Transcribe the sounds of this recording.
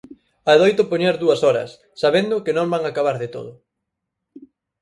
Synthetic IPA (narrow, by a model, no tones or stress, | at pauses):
aðojt̪ʊpoɲeɾðuɐsɔɾɐ̰sːaβend̪ʊkɪnõmbaŋakaβaɾðɪt̪o̰ðʊ